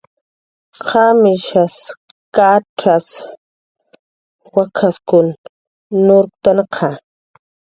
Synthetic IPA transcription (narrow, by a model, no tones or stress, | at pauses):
qʰamɪʃas | kaʈ͡ʂas | wakʰaskʊnː | ʊɾkt̪anqʰa